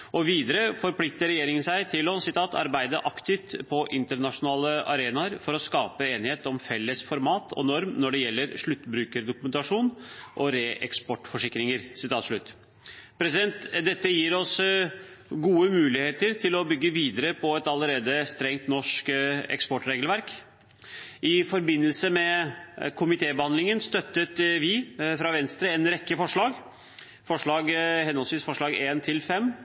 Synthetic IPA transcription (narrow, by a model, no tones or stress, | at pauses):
ʔɔʋiːd̪əɾəfɔɾpʰlɪk̚t̪əɾɛjeːɾɪŋənsæɪt̪ʰɪlɔsɪt̪ʰɑːt̪ʰɑ̰ɾbæɪd̪əʔɑkt̪ɪft̪pʰɔʔɪnt̪əɾɳɑʂʊnɑːləʔɑɾeːnɑəɾfɔɾɔskɑːpəeːnɪheːt̪ɔmfɛlːəsfɔɾmɑːt̪ʰɔ̰nɔɾmnɔɖɛjɛlːəɾʂɭʉt̪ːbɾʉːkəɾd̪ʊkʉmɛnt̪ɑʂuːnʔɔɾeːʔɛkspɔʈfɔʂɪkɾɪŋəɾsɪt̪ʰɑːt̪ʂɭʉt̪ː | pʰɾɛsɪd̪ɛnt̪d̪ɛt̪ːəjiːɾɔs | ɡuːəmʉːlɪheːt̪əɾt̪ʰɪlɔbʏɡːəʋiːd̪əɾəpʰɔɛt̪ɑləɾeːd̪əst̪ɾɛŋt̪nɔʂkɛ̰kspɔʈɾeːɡəlʋæɾk | ʔɪfɔɾbɪnːəlsəmɛkʰʊmɪt̪ʰeːbəhɑnd̪lɪŋənst̪œt̪ːət̪ʋɪfɾɑʋɛnst̪ɾəɛnɾɛkːəfɔʂɭɑːɡ | fɔʂɭɑːɡhɛnhɔlsʋiːsfɔʂɭɑːɡeːnt̪ʰɪlfɛmː